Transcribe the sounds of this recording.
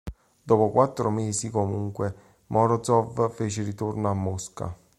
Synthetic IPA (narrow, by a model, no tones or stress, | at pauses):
d̪ɔːpokwat̪ːɾomeːsikomuŋkwe | mʔɔɾɔd̪zɔvfeːt͡ʃeɾit̪urnoamːoska̰